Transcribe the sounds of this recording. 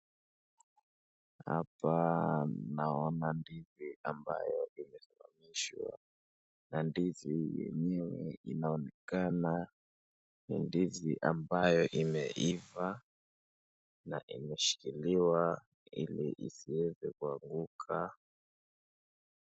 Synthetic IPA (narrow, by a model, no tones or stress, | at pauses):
ha̰pa | naɔnandiziʔamba̰jɔimɛsala̰miʃwa̰ | nandizijɛ̰ɲɛwɛinaɔnɛkana | nindiziʔambajɔʔimɛʔiva | naʔimɛʃi̥kiliwa | ilḭʔḭsiwɛzɛkuaŋɡukʰa